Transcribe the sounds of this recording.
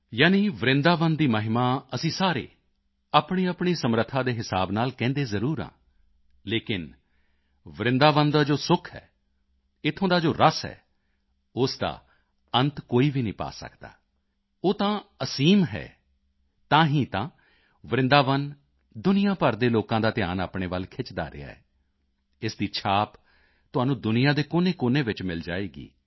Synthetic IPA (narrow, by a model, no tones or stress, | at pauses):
jaːniːʋəɾɪ̃nd̪aːʋənd̪iːməɦɪmaːəsĩːsaːɾḛː | aːpɳiːaːpɳiːsəmɾət̪ʰːãːd̪eːɦɪsa̰ːbnaːlkɛ̃ːnd̪eːzəɾuːɾã̰ː | leːkɪn | ʋɾɪ̃nd̪aːʋənd̪aːd͡ʒoːsʊkʰɦɛ̰ː | ɪt̪ʰːõːd̪aːd͡ʒoːɾəsɦɛ̰ː | ʊsd̪a̰ː | ənt̪koːiːʋiːnĩːpa̰ːsə̰kd̪a̰ː | oːt̪ãːəsiːmɦɛ̰ː | t̪ãːɦĩːt̪ãː | ʋəɾɪ̃nd̪aːʋən | d̪ʊnɪjãːpəɾd̪eːloːkãːd̪aːt̪ɪja̰ːnaːpɳeːʋəlkʰɪt͡ʃd̪a̰ːɾɪ̰ja̰ːɛ̰ː | ɪsd̪iːt͡ʃʰaːp | t̪ʊaːnũːd̪ʊnɪjãːd̪eːkoːnẽːkoːnẽːʋɪt͡ʃmɪld͡ʒaːeːɡḭː